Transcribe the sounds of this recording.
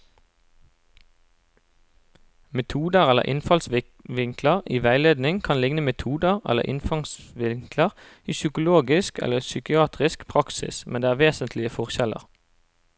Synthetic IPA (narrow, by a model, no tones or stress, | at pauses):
mɛt̪ʰuːd̪əʁɛlə̰ʁʔɪ̰nfɑlsʋɪ | ʋɪŋkləʁiːʋæɪleːd̪nɪŋkʰɑnlɪŋnəmɛt̪ʰuːd̪əʁɛ̰lə̰ʁʔɪ̰nfɑŋsʋɪŋkləʁ | iːsʏkʊloːɡɪskʰɛ̰ləsʏkɪɑːt̪ʁɪskpʰʁɑksɪ̰smɛnd̪eːæːʁʋeːsənt̪ʰlɪəfɔʁʃɛlə̰ʁ